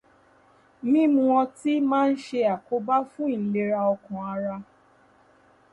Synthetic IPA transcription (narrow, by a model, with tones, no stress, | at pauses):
mĩ˦mũ˧wɔ̃˧ti˦mãː˦n̩˦ʃe˧a˨ko˦ba˦fũ˦i˦˨n̩˨˦le˧ɾa˧ɔ˧kɔ̃˨a˧ɾa˧